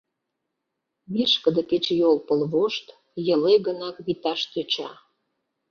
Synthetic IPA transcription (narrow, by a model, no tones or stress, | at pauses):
βiʃkəd̪əket͡ɕjolpəlβoʃt̪ | jəlejɣənɑkβit̪ɑʃt̪øt͡ɕɑ